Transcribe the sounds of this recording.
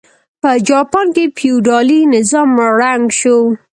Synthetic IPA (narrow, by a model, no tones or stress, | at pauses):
pəd͡ʒɑpɑnkepjuɖɑlinɪzɑmɾaŋɡʃo